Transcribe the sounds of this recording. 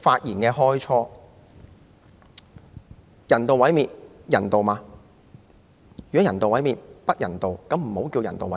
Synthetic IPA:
faː˧t̚jiː˨˩nkɛː˧ɦɔː˥jt͡ʃʰɔː˥ | jɐ˨˩nt̪o˨wɐ˨˥jmiː˨t̚jɐ˨˩nt̪o˨wmaː˧ | jy˨˩kɔ˨˦˥jɐ˨˩nt̪o˨wɐ˨˥jmiː˨t̚pɐ˥t̚jɐ˨˩nt̪o˨wkɐ˨˥mm̩˨˩ho˨˥wkiː˧wjɐ˨˩nt̪o̰˨wɐ̰˨˦˥

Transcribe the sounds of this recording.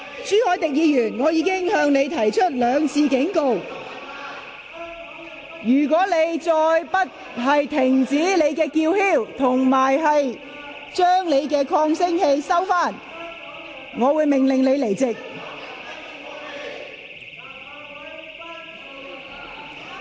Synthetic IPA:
t͡syː˨˥hɔː˨˥jt̪ɪ˨k̚jiː˨˧jyː˨˩nŋɔː˨˧jiː˨˧kɪ˥ŋhœː˧ŋne˨˧jt̪ʰɐ˨˩jt͡ʃʰɵ˥t̚lœː˨˧ŋt͡sʰiː˧kɪ˨˥ŋko˧w | jyː˨˩k̬ɔː˨˥le˨˧jt͡sɔː˧jpɐ˥t̚ | ɦɐ˨jt̪ʰɪ˨˩ŋt͡siː˨˥le˨˧jkɛː˧kiː˧whiː˥˩wt̪ʰʊ˨˩ŋmaː˨˩jɦɐ˨j | t͡ʃœː˥ŋle˨˧jkɛː˧kʰɔː˧ŋsɪ˥ŋhe˧jsɐ˥wfaː˥˩n | ŋɔː˨˧wuː˨˧˥jmɪ˨˩ŋlɪ˨˩ŋle˨˧jle˨˩jt͡sɪ˨k̚

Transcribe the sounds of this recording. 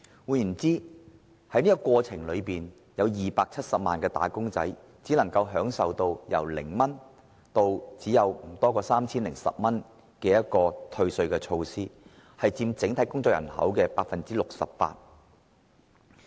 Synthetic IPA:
wuː˨˧jjy˨˩nt͡siː˥ | hɐ˨˥jniː˥kkʷɔː˧t͡sʰɪ˨˩ŋlɵ˨˧ɥpiː˨n | jɐ˨˧wjiː˨paː˧k̚t͡sʰɐ˥t̚sɐ˨p̚maː˨nkɛː˧t̪a̰ː˨˥kʊ˥ŋt͡sɐ̰˨˥j | t͡siː˨˥lɐ˨˩ŋkɐ˧wɦœː˨˥ŋsɐ˨wt̪o˧wjɐ̰˨˩wlɪ̰˨˩ŋmɐ˥n | t̪o˧wt͡siː˨˥jɐ˨˧wm̩˨˩t̪ɔː˥kɔː˧saː˥mt͡sʰiː˥nlɪ˨˩ŋsɐ̰˨p̚mɐ˥n | kɛː˧jɐ˥t̚kɔː˧t̪ʰɵ˧ɥsɵ˧ɥkɛː˧t͡ʃʰo˧wsiː˥ | hɐ˨jt͡siː˧mt͡sɪ˨˥ŋt̪ʰɐ˨˥jkʊ˥ŋt͡sɔ˧˨kjɐ̰˨˩nhɐ̰˨˥wkɛː˧paː˧k̚fɐ˨nt͡siː˥lʊ˨k̚sɐ̰˨pːa̰ː˧t̚

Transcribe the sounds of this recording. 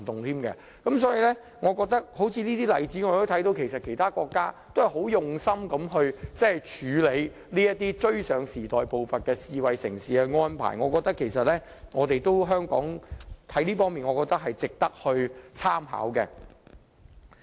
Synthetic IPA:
t̪ʊ˨ŋt̪ʰiː˥mkɛ̰˧ | kɐ˨˦˥msɔː˨˥jiː˨˧lɛ˥ | ŋɔː˨˧kɔː˧k̚t̪ɐ˥k̚ho˨˥wt͡sʰiː˨˧liː˥t̪iː˥lɐ˨˧jt͡si˨˥ŋː˨˧˨t̪o˥t̪ʰɐ˨˥jt̪o˧wkʰe˨˩jsɐ˨t̚kʰe˨˩jt̪ʰaː˥kɔː˧kːaː˥t̪o˥whɐ˨˩jho˨˥wjʊ˨ŋsɐ˥mkɐ˨˥mɦɵ˧ɥt͡sɛ˥hɐ˨˩jt͡ʃʰyː˨˧le˨˧j | liː˥jɐ˥t̪ːiː˥t͡ʃɵ˥ɥsœː˨˧ŋsiː˨˩t̪ɔː˨˩jpo˨wfɐ˨nkɛː˧siː˨˧wɐ˨jsɪ̰˨˩ŋsiː˨ɛ˧ŋɔː˥npʰa̰ː˨˩jŋɔː˨˧kɔː˧k̚t̪ɐ˥kʰːe˨˩jsɐ˨t̚lɛː˥ | ŋɔː˨˧t̪e˨jt̪o˥wɦœː˥ŋkɔ̰ː˨˥ŋt̪ʰɐ˨˥jliː˥fɔː˥ŋmiː˨nŋɔː˨˧kɔː˧kt̪ɐ˥k̚ɦɐ˨jt͡sɪ˨k̚t̪ɐ˥k̚hɵ˧ɥt͡sʰaː˥mɦa̰ː˨˥wkɛ̰˧

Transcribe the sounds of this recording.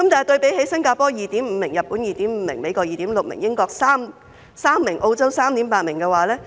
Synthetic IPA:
kɐ˨˦˥mt̪aː˨˩jt̪ɵ˧ɥpe˨˥jhe˨˥jsɐ˥ŋkaː˧pɔː˥jiː˨t̪iː˨˥mm̩˨˧mɪ˨˩ŋjɐ˨t̚pːu˨˥njiː˨t̪iː˨˥m̩ː˨˧mɪ˨˩ŋme˨˧jkɔː˧k̚jiː˨˩t̪iː˨˥mlʊ˨k̚mɪ̰˨˩ŋjɪ˥ŋkɔː˧k̚saː˥m | saː˥mːɪ˨˩ŋʔo˧wt͡sɐ˥wsaː˥mt̪iː˨˥mpaː˧t̚mɪ˨˩ŋkɛː˧waː˨˥lɛː˥

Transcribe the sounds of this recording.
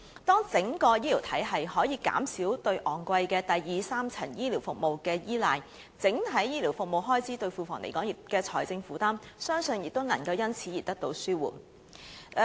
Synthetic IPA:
t̪ɔː˥ŋt͡sɪ˨˥ŋkɔː˧jiː˥li˨˩wt̪ʰɐ˨˥jɦɐ˨jhɔː˨˥jiː˨˧ka̰ː˨˥msiː˨˥wt̪ɵ˧ɥʔɔː˨˩nkʷɐ˧jkɛː˧t̪ɐ˨jːiː˨saː˥mt͡sʰɐ˨˩njiː˥liː˨˩wfʊ˨k̚mo˨wkɛː˧jiː˥laː˨˧j | t͡sɪ˨˥ŋt̪ʰɐ˨˥jjiː˥liː˨˩wfʊ˨k̚mo˨wɦɔː˥jt͡sʰiː˨˥t̪ɵ˧ɥfuː˨˩fɔː˨˩ŋle˨˩kɔː˨˥ŋjɪ˨kɛː˧t͡sʰɔ̰ː˨˩jt͡sɪ˧ŋfuː˨˥t̪aː˥msœː˥ŋsɵ˧njɪ˨k̚t̪o˥wnɐ˨˩ŋkɐ˧wjɐ˥nt͡sʰiː˨˥ji˨t̚t̪ɐ˥k̚t̪o˨˧˥wsyː˥wṵː˨n

